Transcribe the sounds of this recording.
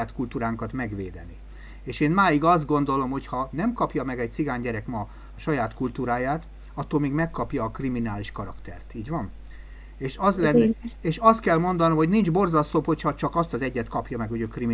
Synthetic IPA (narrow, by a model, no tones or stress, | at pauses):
aːt̪kult̪uːɾaːŋkɒt̪mɛɡʋḛːd̪ɛni | eːʃeːnmaːjiɡɒzd̪ɡo̞nd̪o̞lo̞mho̞chɒnɛmkɒpjɒmɛɡɛc̚t̪siɡaːɲɟɛɾɛkmɒ | ɒʃɒjaːt̪kult̪uːɾaːjaːt̪ | ɒt̪ːoːlmeːɡmɛkːɒpjɒːkriminaːliʃkɒɾɒkt̪ɛ̰rt̪iːɟʋɒn | eːʃɒzlɛnːieːʃɒst̪kɛlmo̞nd̪ɒnomho̞ɟnind͡ʒbo̞rzɒst̪oːpho̞chɒt͡ʃɒkɒst̪ɒzɛɟːɛt̪kɒpjɒmɛɡho̞ɟøːkri